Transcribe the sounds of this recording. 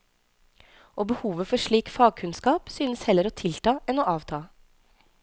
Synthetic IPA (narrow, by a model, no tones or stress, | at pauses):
ʔoːbəhuːʋəfɔʂɭiːkfɑːɡ̚kʰʉnskɑːpsyːnəshɛləɾoːt̪ʰɪlt̪ɑːʔɛnoːʔɑːʋt̪ʰɑː